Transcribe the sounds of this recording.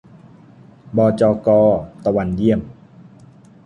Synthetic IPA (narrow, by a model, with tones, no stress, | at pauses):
bɔː˧t͡ɕɔː˧kɔː˧t̪a˧wa˧nji˧˥˩əm